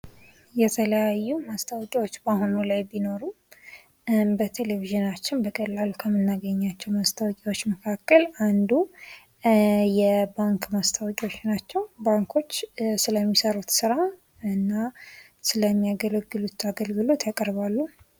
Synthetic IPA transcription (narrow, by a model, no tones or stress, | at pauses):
jɛt̪ʰələjajːumast̪ʰawɔkʼiwot͡ʃːbahonulajbino̞ɾu | bət̪ʰe̞leviʒɨnat͡ʃːɪnbəkʼəlːalukʰəmːɨnːaɡəɲːat͡ʃːɛwmast̪ʰawɔkʼiwo̞t͡ʃːməkʰakːəland̪u | jɛbaŋkmast̪ʰawɔkʼiwo̞t͡ʃːnat͡ʃːɛwbaŋkʰo̞t͡ʃːsɨləmːisəɾut̪sɨɾa | ɨnːa | sɨləmːijaɡələɡːɨlut̪aɡəlɡɨlo̞t̪jakʼəɾβalːu